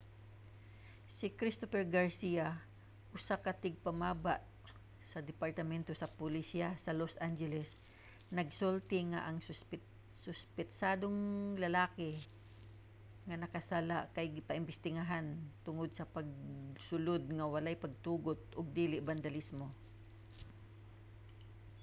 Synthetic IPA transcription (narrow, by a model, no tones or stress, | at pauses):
sɪkɾɪst̪ofɛɹɡɐɹsia | ʔʊsakɐt̪ɪɡ̚pɐmaːbaʔ | sɐd̪ɪpaɹt̪ɐmɛnt̪osɐpʊlisiasɐlosʔand͡ʒɛlɛs | nɐɡsolt̪ɪŋa̰ʔɐŋsʊspɪ | sʊspɪt̪saːd̪oŋlɐlaːkɪ | ŋɐnɐkɐsalaʔkɐjɡɪpɐʔɪmbɪst̪ɪɡaɦant̪ʊŋod̪̚sɐpɐɡ̚sʊlod̪̚ŋɐwɐlajpɐɡ̚t̪uːɡot̪̚ʊɡ̚d̪iːlɪʔband̪ɐlɪsmo